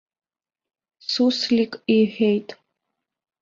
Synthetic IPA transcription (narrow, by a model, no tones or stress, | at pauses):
suslikʼiħʷᶣejtʼ